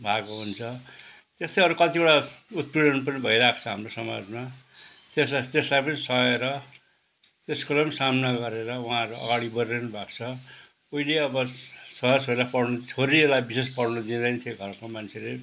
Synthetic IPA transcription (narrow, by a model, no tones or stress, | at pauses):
bʱakoɦunt͡sʰʌ | t̪est̪ʌjɦʌɾukʌt̪ibʌɽaut̪ruɽʌnʈpʌnibʱʌiɾakʰt͡sʰʌɦamrosʌma̰d͡zmat̪eslt̪eslajpʌnisʌɦeɾʌ | t̪eskʌlʌmsamnaɡʌɾeɾʌwuɦãʌɾuʌ̰ɡaɽibʌrrenubʱakt͡sʰʌ | oileʌbʌsʌjʌsolapʌɽnut͡sʰoɾielajbises̬pʌɽnud̪id̪ʌnt̪ʰjeɡʱʌrkomant͡sʰele